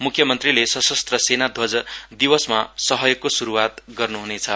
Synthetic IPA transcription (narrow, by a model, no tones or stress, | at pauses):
mukʰjʌmʌnt̪rilesʌsʌst̪rʌsenad̪ʱod͡zd̪ibʌsmasʌɦʌjokːosuɾuwat̪ɡʌrnuɦunet͡sʰʌ